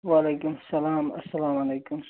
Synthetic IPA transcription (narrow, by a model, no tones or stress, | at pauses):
waːleːkʊmɐsɐlaːmɐ̰sɐlaːmalejkʊm